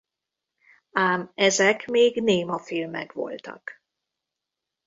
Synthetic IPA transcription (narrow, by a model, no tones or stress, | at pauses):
aːmɛzɛkmeːɡneːmɒfilmɛ̰kʋo̞̰lt̪ɒ̰k